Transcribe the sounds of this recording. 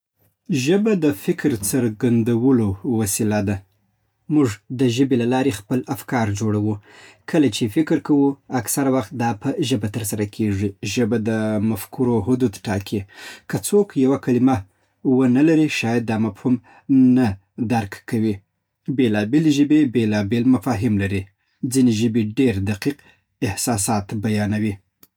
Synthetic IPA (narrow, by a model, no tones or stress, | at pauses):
ʒəbad̪əfɪkɾt͡səɾɡand̪awəlowasilad̪a | muʐd̪əʒəbelalɑɾexpəlafkɑɾd͡ʒoɽawukʰəlat͡ʃefɪkɾkawuaksaɾawaxt̪̚d̪ɑpəʒəbat̪əɾs̬aɾakʰeʐiʒəbad̪əmafkʰuɾoɦʊd̪ud̪ʈɑkʰikʰət͡sokjawakalima | wənalaɾiʃɑjad̪̚ːɑmafhum | na | d̪aɾkkawi | belɑbeleʒəbebelɑbelmafɑɦɪmlaɾi | d͡zineʒəbeɖeɾd̪aqiq | ɪhsɑsɑt̪bajɑnawi